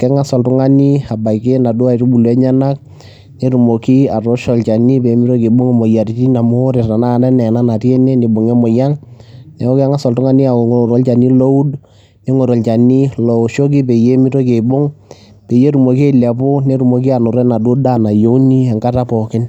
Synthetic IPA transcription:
kɛ˦ŋa˦sɔ˨ltʊ˦ŋa˦ni˦a˨ba˨ike˦na˨du˦a˦˨tu˦bu˨lɛ˦ɲa˦na˦k̚ | ne˦ɾu˨mo˨ki˦a˨tɔ˦ʃɔ˨lt͡ʃa˨ni˦pe˨˦mi˦to˦ke˨bo˦ŋ˦mo˨ja˨ɾi˨ti˦na˨moː˦ɾe˨ta˨na˦˨nɛ˦nɛ˨na˦na˨tje˦ne˦ni˨bo˨ŋɛ˦mɔ˨ja˦ŋnɛ˨ɔ˦kɛ˦ŋa˦sɔ˨ltʊ˦ŋa˦ni˦a˨ko˨ŋo˨o˨ɾɔ˦lt͡ʃa˨ni˦lo˦u˦d | ne˦ŋo˨ɾɔ˨lt͡ʃa˨ni˦lɔ˨ʃo˦k̬i˦pe˨je˦mi˦to˦ke˨bo˦ŋ | pe˨je˦ɾu˨mo˨ke˦˨la˨po˦ne˦ɾu˨mo˨ki˦a˨nʊ˨ɾɛ˦na˨do˦da˦˨na˨jo˦ni˦ɛ˨ŋɡa˦ta˦pɔ˨kɪ˦n

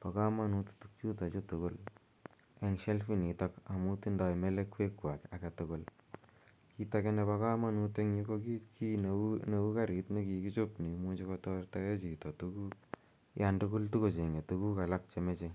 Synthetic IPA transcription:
pa˨ka˦ma˦nu˦ttuk̚t͡ʃu˦ta˨t͡ʃo˦tʊ˨kʊ˦l | e˨ŋʃe˦lfi˦ni˨tɔka˨mu˦ti˦nda˧jme˦lekwe˦kːwa˨ka˨ka˨tʊkʊl | kitake˦nɛpa˦ka˦ma˦nu˧te˦ŋɲi˦koki˦kʰi˦nne˦u˦ka˦ɾi˨tni˦ki˨kit͡ʃʊ˦pni˨mu˦t͡ʃekɔtɔ˦rta˦je˦t͡ʃi˨to˨tu˦ku˦k | jandʊ˦kʊ˦ltu˦ko˨t͡ʃe˨ŋɡe˨tu˦ku˦ka˨la˦k̚t͡ʃe˨me˦t͡ʃe

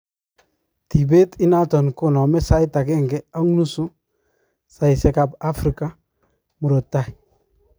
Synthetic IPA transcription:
ti˨be˦tɪ˦na˦tɔ˨nkʊ˦nɔ˨mɛ˦sa˦jta˨kɛ˦ŋɡɛ˦a˦ŋ˦nu˦su˦ | sa˨i˨sɛ˨ka˨ba˦fɾi˨ka˦ | mu˨ɾo˨tːa˦i˨

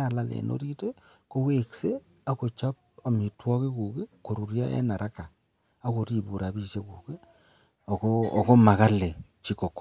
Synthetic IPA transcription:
a˨la˨lḛ˨no̰˦ɾi˦te˦ | ko˦we˦kse˦ | a˦ko˨t͡ʃa˦p̚a˨mi˨twɔ˦ke˦ku˨ke˦ko˨ɾu˨ɾja̰˦ʔɛ̰˦na˨ɾʔa˦ka˨ | a˨˦ko˨ɾi˨bu˨ɾa˨bi˦ʃe˦kuː˨ke˦ | ɔ˨kɔː˦˨kɔ˦ma˨ka˦le˨t͡ʃi˦ko˨ko˦

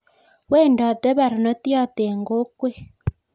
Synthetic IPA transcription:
wɛ˦˨ndɔ˨t̪ɛ˦βa˨ɾɔ˨nɔ˦t̪i˦a˦t̪e˨ŋɡo˦kwe˦

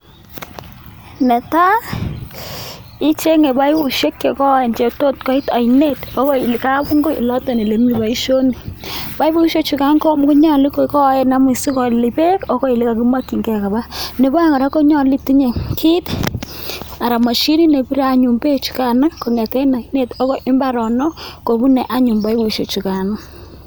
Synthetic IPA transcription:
ne˨ta˦ | i˦t͡ʃe˦ŋe˨ba˦jbu˨ʃe˦kːe˨kɔ˦e˨nt͡ʃe˨to˦tkɔ˦i˦ta˨jne˦˨to˦ko˦i˨li˨ka˦bu˦ŋɡo˦ḭ˨lɔ˦ta˨ni˨le˨mi˦˨ba˨i˦ʃo˦ni˨pa˦jbu˦ʃe˦t͡ʃu˨ka˦ŋko˦mku˦ɲɔ˦li˦ko˨kɔ˦je˦na˦mi˨si˦kɔ˨li˨pe˦ko˦ko˦i˨li˦ka˨ku˦ma˦ki˨ŋɡɛ˨ka˨ba˦ne˨bo˦a˦ŋa˨ɾa˦ko˦ɲɔ˦li˦ti˦ɲe˨kʰi˦t | a˨ɾa˨ma˨ʃi˦ɾi˦ne˨bi˦ɾa˨ɲu˨mbe˦t͡ʃu̥˨ka˨na˦ko˨ŋe˨te˦na˨i˦ne˦˨to˦ko˦ʔɪ˦mba˦ɾɔ˨nɔ˦ko˨bu˦ne˨ʔa˦ɲu˨mba˨˦i˦bu˨ʃe˨t͡ʃu˨ka˨na˦

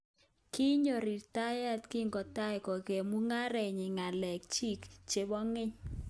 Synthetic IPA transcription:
kɪ˦ɲo˨ɾɪ˨ta˦ja˦tkɪ˦ŋɡɔ˨ta˦jkɔ˨ɡe˨mu˦ŋa˦ɾɛ˨ɲɪ˨ŋa˨lɛ˨k̚t͡ʃi˦kt͡ʃe˦bɔ˦ŋɪ˦ɲ

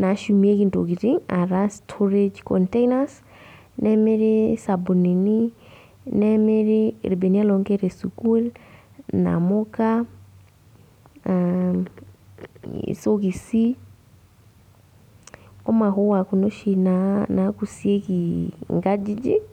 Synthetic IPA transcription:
na˨ʃumi˦e˦ki˨nto˨kiɾiŋa˨ɾastʰɔɾed͡ʒkɔntɛinas | nɛ˦meɾesabo˨ni˨ni˦ | nɛmeɾe˦ɾe˨be˨ni˦a˦lɔŋɡɛ˦ɾe˨sukul | na̰mɔka | soki˨si˦ | ɔ˦ma˨ɦo˦wa˨ko˨no˦ʃi˨nanaku˨sie˦kiŋɡad͡ʒi˦d͡ʒi˦

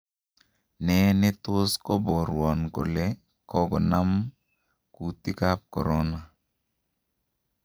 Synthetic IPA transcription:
nɛ˨nɪ˦t̪ʊ˦skɔ˦bɔ˨ɾwɔ˨nko̰˨lɛ˦ | kɔ˦ɡɔ˨na˦m | ku˨ti˦ka˦p̚kɔ̰˨ɾɔ˦na˨

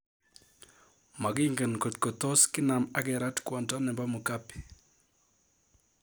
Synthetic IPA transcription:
ma˨ɡɪ˦ŋɡe˨nko˨t̚ko˨t̪o˦skɪ˦na˨ma˦kɛ˨ɾa˦tkwɔ˨ntɔ˦nɛ˨mba˦mo˨ka˦pi̥˨

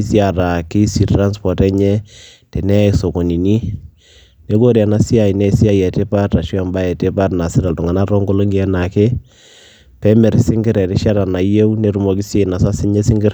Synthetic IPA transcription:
sja˨ɾa˨ki˦si˨tra˦nspɔ˨tɛ˦ɲɛ˦ | te˨nɛ˦˨so˨ko˨ni˨ni˦ | ne˦ko˦ɾja˨na˦si˦a˨i˨ne˦si˦a˦jɛ˨te˦pa˦ta˨ʃu˦a˨mba˦ɛ˨te˦pa˦tna˨sɪ˦ɾa˨ltu˨ŋa˨na˦ɾo˦ŋɡo˦lo˦ŋiɛ˨na˨ke˦ | pɛ˦mɛ˨ɾsɪ˦ŋɡɪ˦ɾɛ˨ɾi˦ʃa˦ɾa˨na˨je˦wne˦ɾu˨mɔ˨ki˦sje˦˨na˨sa˦sɪ˦ɲe˦sɪ˦ŋɡɪ˦r

